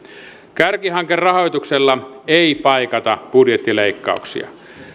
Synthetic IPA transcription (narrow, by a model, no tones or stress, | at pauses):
kærkiɦɑŋkerrɑho̞jt̪ukselːɑeipɑikɑt̪ɑb̥udjet̪ːileikːɑ̰uksḭɑ̰